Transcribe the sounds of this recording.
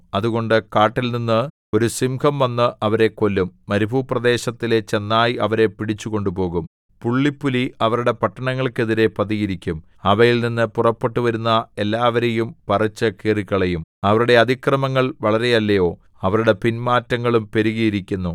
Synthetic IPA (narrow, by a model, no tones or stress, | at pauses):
ɐðuɣo̞ɳɖɨkaːʈːilninːɨ | o̞ɾusimkʰɐmʋɐnːɨʔɐʋɐɾe̞ko̞lːumːɐɾubʱuprɐd̪e̞ːɕɐt̪ːile̞t͡ɕe̞nːaːjiɐʋɐɾe̞piɽit͡ɕːuɣo̞ɳɖupo̞ːɣum | puɭːipːuliɐʋɐɾuɽe̞pɐʈːɐɳɐŋːɐɭke̞ðiɾe̞pɐðiɣiɾikʲːum | ɐʋɐjilninːɨpurɐpːe̞ʈːuʋɐɾunːɐe̞lːaːʋɐɾejumpɐrɐt͡ɕːɐkeriɣɐɭejumɐʋɐɾuɽe̞ɐd̪ʱikrɐmɐŋːɐɭʋɐɭɐɾe̞jɐlːɐjo̞ː | ɐʋɐɾuɽe̞pinmaːtːɐŋːɐɭumpe̞ɾuɣɐjiɾikʲːunːu